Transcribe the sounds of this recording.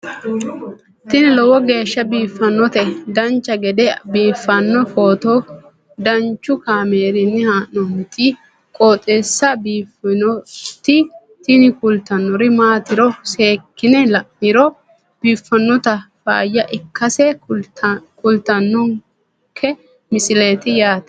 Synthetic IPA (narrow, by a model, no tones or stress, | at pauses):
t̪ɪnɪlɔwɔɡe̞ːʃːɐbiːfːɐnːɔt̪ɛd̪ɐnt͡ʃːɐɡɛd̪ɛbiːfːɐnːɔfoːt̪o | d̪ɐnt͡ʃːʊkaːmeːɾɪnːɪhaːʔɔmɪt̪ɪ | kʼoːt̪ʼeːsːɐbiːfnɔt̪ɪ | t̪ɪnɪkʊlt̪ɐnːɔɾɪmaːt̪ɪɾɔse̞ːkːɪnɛlɐʔːɪɾɔ | b̥iːfːɐnːɔt̪ɐfa̰ːjːɐʔɪkːɐsɛ | kʊlt̪ɐnːɔŋ | kʰɛ | mɪsɪle̞ːt̪ɪjaːt̪ɛ̥